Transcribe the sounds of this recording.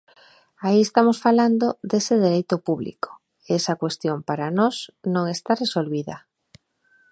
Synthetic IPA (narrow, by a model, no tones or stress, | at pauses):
aiest̪amosfaland̪od̪esɪðeɾejt̪ʊpuβlḭko̥ | eɛsɐkwest̪jompaɾanɔsnõŋest̪aresolβiðɐ̰